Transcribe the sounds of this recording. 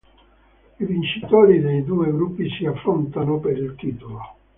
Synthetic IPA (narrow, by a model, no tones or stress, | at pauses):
ivint͡ʃit̪oːɾid̪ejd̪uːeɡɾupːisiafːɾont̪anopeɾilt̪it̪olo